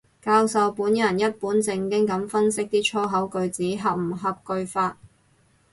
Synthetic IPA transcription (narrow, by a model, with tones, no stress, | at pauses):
kaː˧wsɐ˨wpuː˨˥njɐ˨˩njɐ˥t̚puː˨˥nt͡sɪ˧ŋkɪ˥ŋkɐ˨˥mfɐ˥nsɪ˥k̚t̪iː˥t͡ʃʰɔː˥ɦɐ˨˥wkɵ˧ɥt͡siː˨˥ɦɐ˨p̚m̩˨˩ɦɐ˨p̚kɵ˧ɥfaː˧t̚